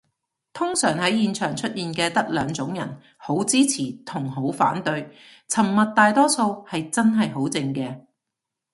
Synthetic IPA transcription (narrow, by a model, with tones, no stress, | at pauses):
t̪ʰʊ˥ŋsœː˨˩ŋhɐ˨˥jjiː˨nt͡ʃʰœː˨˩ŋt͡ʃʰɵ˥t̚jiː˨nkɛː˧t̪ɐ˥k̚lœː˨˧ŋt͡sʊ˨˥ŋjɐ̰˨˩n | ho˨˥wt͡siː˥t͡sʰiː˨˩t̪ʰʊ˨˩ŋɦo˨˥wfa̰ː˨˥nt̪ɵ˧ɥ | t͡sʰɐ˨˩mːɐ˨t̚t̪ːaː˨jt̪ɔː˥so˧whɐ˨jt͡sɐ˥nɦɐ˨jɦo˨˥wt͡sɪ˧ŋkɛː˧